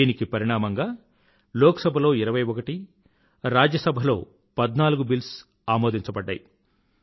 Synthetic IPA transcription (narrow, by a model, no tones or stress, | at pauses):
iːnikipɐɾiɳaːmɐŋɡaː | lɔːkɐsɐbʱɐlo̞ːiɾɐʋɐjɔkɐʈi | ɾaːd͡ʒjɐsɐbʱɐlo̞̰ː | pɐd̪naːluɡubils | aːmo̞ːd̪iɲt͡ʃɐbɐɖːa̰ːji